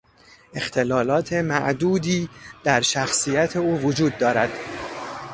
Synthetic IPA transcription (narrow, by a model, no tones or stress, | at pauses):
e̞xt̪ʰe̞lɒːlɒːt̪ʰe̞mæʔd̪uːd̪iːd̪̥æɾʃæxsiːjæt̪ʰeuːvod͡ʒuːd̪ːɒːɾæd̪̥